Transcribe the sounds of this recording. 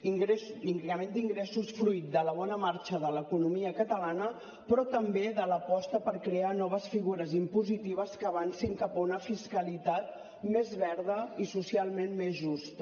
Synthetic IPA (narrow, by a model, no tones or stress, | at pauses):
iŋɡɾesiŋɡəmẽnd̪iŋɡɾɛsusfɾujt̪̚d̪ələβ̞ɔnəmaɾt͡ʃəðələkunumiəkət̪əlanə | pɾɔt̪əmbeðələpɔst̪əpəɾkɾeanɔβ̞əsfiɣuɾəzimpuzit̪iβ̞əskəːβ̞ansiŋkapəunəfiskəlit̪at̪̚ | mezβɛɾðəisusialˠmenmezʒust̪ə